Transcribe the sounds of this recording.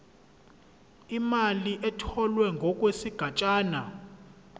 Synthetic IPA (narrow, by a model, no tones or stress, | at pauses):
imaliʔɛtʰɔlwɛŋɡʱɔk̬ʼwesiɡ̥ʱat͡ʃʼaːna